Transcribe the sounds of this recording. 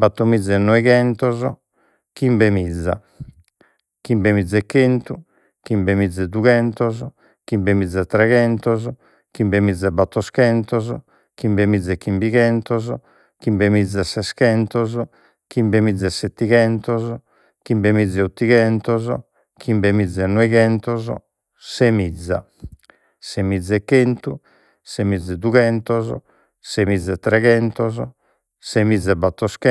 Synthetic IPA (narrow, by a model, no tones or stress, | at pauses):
bat̪ːomid̪zːɛnːɔiɣɛnt̪ɔzɔ | kimbemid̪zːa̰ | kimbemid̪zːɛkːent̪u | kimbemid̪zːɛd̪uɣɛnt̪ɔzɔ | kimbemid̪zːɛt̪ːɾɛɣɛnt̪ɔzɔ | kimbemid̪zːɛbat̪ːɔskɛnt̪ɔzɔ | kimbemid̪zːɛkːimbiɣɛnt̪ɔzɔ | kimbemid̪zːɛsɛskɛnt̪ɔzɔ | kimbemid̪zːɛsːet̪ːiɣɛnt̪ɔzɔ | kimbemid̪zːɛut̪ːiɣɛnt̪ɔzɔ | kʰimbemid̪zːɛnːɔiɣɛnt̪ɔzɔ̰ | semid̪zːa̰ | semid̪zːɛkːent̪u | semid̪zːɛd̪uɣɛnt̪ɔzɔ̰ | semid̪zːɛt̪ːɾɛɣɛnt̪ɔzɔ | semid̪zːɛbːat̪ːɔskɛ